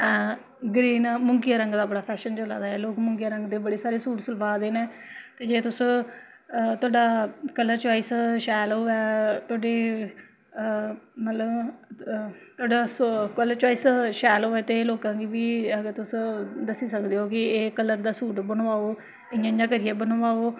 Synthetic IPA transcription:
ɛ | ɡɾiːnmʊŋkɪjaːɾəŋɡd̪aːbəɽaːpʰɛːʃənt͡ʃəla̰ːd̪aːɛːloːkmʊ̃ŋkɪjaːɾəŋɡd̪eːbəɽeːsaːɾeːsuːʈsʊlbaːd̪eːnɛːt̪eːd͡ʒeːt̪ʊs | t̪ʰʊaːɖaːkələɾt͡ʃaːiːsʃɛːlɦoːɛːt̪ʊaːɖeː | mət̪ləb | t̪ʰʊaːɖaːskələɾt͡ʃɔːiːsʃɛːloːɛːt̪eloːkãːkiːbiːəɡəɾt̪ʊsd̪əsiːsəkd̪eːɦoːkɪeːkələɾd̪aːsuːʈbənːaːoː | ɪjãːjãːkəɾɪjɛːbənoʋaːoː

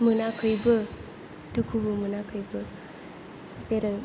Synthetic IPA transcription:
mɯnakʰɯjbɐ | dukʰubɯmɯnakʰɯjbɐ | zeɾə

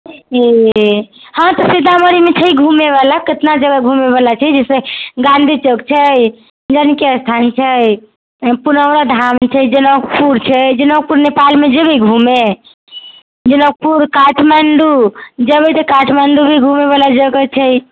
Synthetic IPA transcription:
e | hãt̪ɔsid̪aməɾimet͡ʃʰəɡʱumeβalaket̪nad͡ʒəɡəɡʱumeβalat͡ʃʰɛd͡ʒɛseɡãnd̪ʱit͡ʃəɡt͡ʃʰəj | d͡ʒənkeəst̪ʰant͡ʃʰəj | punəwɾad̪ʱamt͡ʃʰɛd͡ʒənək̚puɾt͡ʃʰɛd͡ʒənək̚puɾnepalmed͡ʒəbʱiɡʱume | d͡ʒənək̚puɾkaʈʰmaɳɖud͡ʒəbit̪əkaʈʰmaɳɖubʱiɡʱumeβalad͡ʒəɡət͡ʃʰɛj

